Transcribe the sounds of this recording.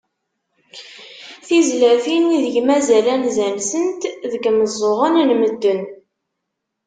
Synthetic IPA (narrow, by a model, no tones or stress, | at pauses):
θizlæθiniðəʝmæzælænzænsənt̪ðəɡməzˤːoʁənnməd̪ːən